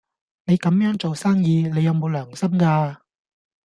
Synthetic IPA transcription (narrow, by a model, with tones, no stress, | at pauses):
ne˨˧jkɐ˨˧˥mjœː˨˥ŋt͡so˨wsaː˥ŋjiː˨˧ne˨˧jɐ˨˧wmo˨˧wlœː˨˩ŋsɐ˥mkaː˧